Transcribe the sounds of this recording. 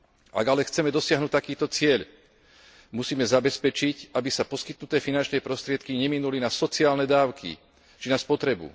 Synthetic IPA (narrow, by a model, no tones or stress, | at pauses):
ʔa̰ɡalɛxt͡sɛmɛd̪ɔsɪaɦnuːt̚ʲt̪akiːt̪ɔt͡sɪɛʎ | musiːmɛzabɛspɛt͡ʃicabisapɔskit̪nut̪ɛːfinant͡ʃnɛːpɾɔst̪ɾɪɛt̪kiɲɛminulinasɔt͡siaːlnɛd̪aːʊkʰḭ | t͡ʃinaspɔt̪ɾɛbṵ